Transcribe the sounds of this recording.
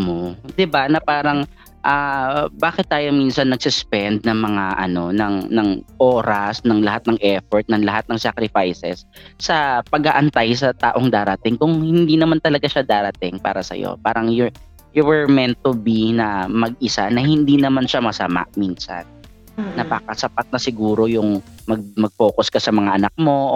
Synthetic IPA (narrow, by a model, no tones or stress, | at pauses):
mod̪ɪbanɐpaːɾɐŋ | ʔaːbaːkɪt̪ːaːjominsɐnːɐɡ̚sʊspɛnd̪̚nɐŋmɐŋaʔɐ̰no̞nɐŋnɐŋʔoːɾɐsnɐŋlɐhat̪̚nɐŋʔɛfoɹt̪̚nɐŋlɐɦat̪̚nɐŋsakɾɪfajsɛ̰sː | ɐpɐɡ̚aːʔɐnt̪ajs̬ɐt̪a̰ːʔo̞ŋd̪aːɾɐt̪ɪŋkʊŋhɪnd̪inɐmant̪ɐlɐɡaʃad̪aːɾɐt̪ɪŋpa̰ːɾɐsɐ̰jo̰paːɾɐŋjʊ | jʊwɛɹmɛnt̪obinɐmɐɡʔɪsanɐhɪnd̪inɐmanʃamɐsɐma̰ʔmiːnsa̰nː | ɐbaːkɐsɐpat̪̚nɐsɪɡuːɾo̞jʊŋmɐɡ̚mɐɡ̚fo̞ːkʊskɐsɐmɐŋaʔɐnak̚mo̞